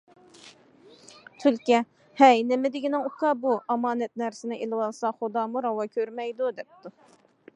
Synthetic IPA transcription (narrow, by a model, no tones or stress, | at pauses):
t̪ʰylkʲɛ | hɛjnɪmɪd̪ɪɡʲinɪŋukʰɑbuʔɑmɑːnɛt̪̚næɾsɪnɪʔelɪwɑlˠsɑχod̪ɑːmuɾɑwɑkʲʰøɾmɛjd̪ud̪ɛp̚t̪u